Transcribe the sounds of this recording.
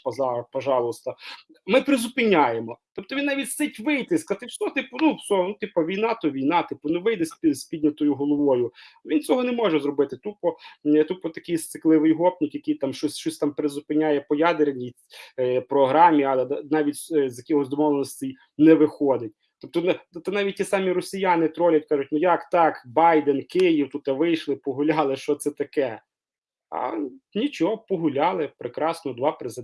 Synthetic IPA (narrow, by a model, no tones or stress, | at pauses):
pɔzɑpɔʒɑlˠʊst̪ɐ | mɪpɾɪzʊpɪnʲajemɔt̪ɔp̚t̪ɔʋʲinɑʋʲitʲsɛtʲʋɪjt̪ɪskɐt̪ɪwsʲɔt̪ɪpʊnuwsʲɔnut̪ipɐʋʲijnɑt̪ɔʋʲijnɑt̪ɪpʊnʊʋɪjd̪ɛsʲpʲisʲpʲidʲnʲɐt̪ɔjʊɦɔlˠɔʋɔjʊʋint͡sʲɔɦɔnɛmɔʒɛzɾɔbɪt̪ɪt̪upɔt̪upɔt̪ɐkɪjst̪sɪklˠɪʋɪjɦɔpnʲikjɐkɪjt̪ɑmʃt͡ʃɔsʲʃt͡ʃɔsʲt̪ɑmpɾɪzʊpɪnʲajɛpɔjad̪eɾenʲipɾɔɦɾɑmʲiɐlˠɛd̪nɑʋʲitʲszʲjɐkʲɔɦɔzd̪ɔmɔlˠenɔsʲtʲɪj | nɛʋɪxɔd̪ɪtʲ | t̪ɔp̚t̪ɔnt̪ɐnɑʋʲit̚ʲtʲːisɑmʲiɾɔsʲijanɪt̪ɾɔlʲɐt̚ʲkɑʒʊtʲnʊjɑkt̪ɑkbɑjd̪enkɪjiwt̪ut̪ːɐʋɪjʃlˠɪpɔɦʊlʲɑlˠɪʃt͡ʃɔt̪sɛt̪ɐkɛ | ɐ̰nʲit͡ʃɔɦɔpɔɦʊlʲɑlˠɪpɾekɾɑsnɔd̪ʋɑpɾezɪd̪